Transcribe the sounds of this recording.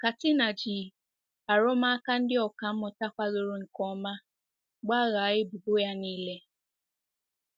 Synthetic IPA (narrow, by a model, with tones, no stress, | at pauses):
ka˨tɪ˦na˨d͡ʒi˨ | a˨ɾʊ˦ma˦ka˦n̩˦dɪ˦ɔ˨ka˨m̩˦mʊ˨ta˦kʷa˦ɣe˨ɾo˦ŋ̩˨kɔ˦ma˦ | ɡ͡ba˦ɣa˨˦ɣɪ˦bu˨bo˦ja˦niː˦le˦